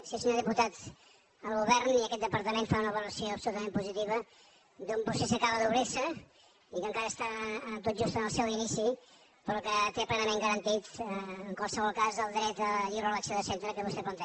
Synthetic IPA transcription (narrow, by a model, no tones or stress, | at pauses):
sisəɲoðiput̪at̪ | əlˠɣuβɛɾniəkɛt̪̚d̪əpəɾt̪əmenfaunəβəluɾəsioəpsulut̪əmempuzit̪iβə | d̪umpusesəkaβəðuβɾesə | ikəŋkaɾəːst̪at̪ot̪d͡ʒust̪ənəlˠsɛwinisi | pəɾɔkət̪eplɛnəmeŋɡəɾənt̪it̪ːŋkwalˠsəβɔlˠkazðəlˠd̪ɾɛt̪əʎiɾəlaksjoðəsent̪ɾəkəβust̪eplənt̪ə